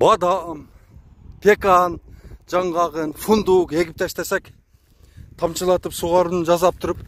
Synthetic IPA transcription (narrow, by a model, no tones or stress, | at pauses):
bɑd̪ɑm | t̪ʰekɑnd͡ʒɑɴʁɑʁənfund̪ukeɡʲɪp̚t̪æʃt̪æsæk | t̪ʰɑmt͡ʃəlˠɑt̪əpsuʁɑɾənd͡ʒɑzɑp̚t̪ʰʊɾəp